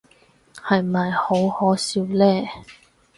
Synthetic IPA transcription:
hɐ˨jmɐ˨jho˨˥whɔː˨˥siː˨˧wlɛː˥

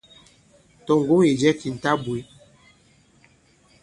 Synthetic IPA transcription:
tɔ˨ŋɡu˦i˨d͡ʒɛ˦ki˨n̩˨ta˦bwi˦

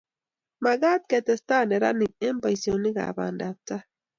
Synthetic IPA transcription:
ma˨ɡa˦t̪̚ke˨t̪ɛ˨st̪aː˦ne˨ɾa̰˦ni˨ke˦mpa˨jsjo˨ni˦ɡa̰˨ba̰nda˨p̚t͡sa˦

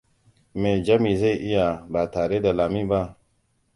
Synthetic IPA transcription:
me˨d͡ʒa˦mi˨ze˦jʔi˦ja˨ba˨ta˨ɾe˦da˨la˨mi˦ba˦

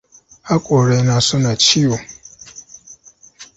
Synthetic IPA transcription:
a˦kʷʼo˨ɾe˨jna˨sʊ˦na˨t͡ʃi˦jo˨

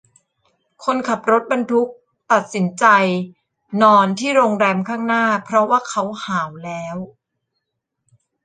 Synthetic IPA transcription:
kʰo˧nkʰa˨˩p̚ɾo˦˥t̪̚ba˧nt̪ʰu˦˥k̚ | t̪a˨˩t̪̚si˩˦nt͡ɕa˧j | nɔː˧nt̪ʰiː˥˩ɾoː˧ŋɾɛː˧mkʰaː˥˩ŋnaː˥˩pʰɾɔ˦˥waː˥˩kʰa˦˥whaː˩˦wlɛː˦˥w

